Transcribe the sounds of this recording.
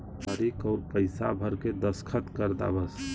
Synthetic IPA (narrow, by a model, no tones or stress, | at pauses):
əɾekɔːɾpəɪsabʱəɾked̪əskʰət̪kəɾd̪a̰bəs